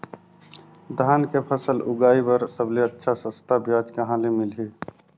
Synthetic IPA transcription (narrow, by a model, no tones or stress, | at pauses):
d̪ʱaːnkepʰəsəlʊɡaːibəɾsəbleətːʃʰasə̃st̪ʰabjaːd͡ʒkəɦãlemɪlɦeː